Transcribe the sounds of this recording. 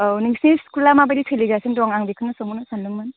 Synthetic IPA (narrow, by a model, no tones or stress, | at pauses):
niŋsneskulamabadipʰeliɡasɯndɔŋaŋbikʰɯnɯsoŋunɯsanlɯmːɯn